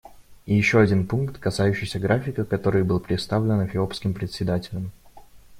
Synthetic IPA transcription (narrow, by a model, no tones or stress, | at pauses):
ijɪɕːo̞ɐdʲinpunkt̪kɐsajʉɕːɪjsʲəɡɾafʲɪkəkɐt̪o̞ɾɨjbɨlˠpɾʲɪt̪st̪avlʲɪnəfʲɪo̞pskʲɪmpɾʲɪt̪ʲsʲɪd̪atʲɪlʲəm